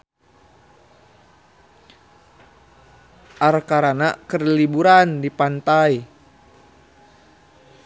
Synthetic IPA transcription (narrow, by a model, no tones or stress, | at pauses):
ʔarkaɾanakərlibuɾandipant̪ai